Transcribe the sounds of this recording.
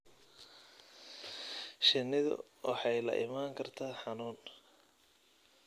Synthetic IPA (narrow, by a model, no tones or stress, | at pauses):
ʃɪnːɪðʊ̰ | wɑħɑjlɐ̰ʔɪmaːŋkʰɐrt̪ʰaːħɑnuːn